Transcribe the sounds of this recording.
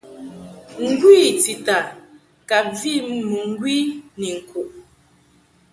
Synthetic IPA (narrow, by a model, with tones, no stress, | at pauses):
ŋ̩˦ɡwiː˦˨ti˨ta˨ | ka˨p̚vi˦˨m˦mu˨ŋ̩˦ɡwi˦ni˨ŋ̩˨kʰu˨ʔ